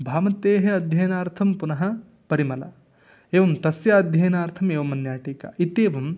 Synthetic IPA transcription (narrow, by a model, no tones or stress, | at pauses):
bʱaːmɐt̪eːɦɐɐd̪ʱjɐjnaːɾt̪ʰɐmpunɐɦɐ̆ | pɐɾimɐlɐ̰ | eːʋɐmt̪ɐsjaɐd̪ʱjɐjnaːɾt̪ʰɐmeːʋɐmɐnjaːʈiːkɐ̰it̪eːʋɐm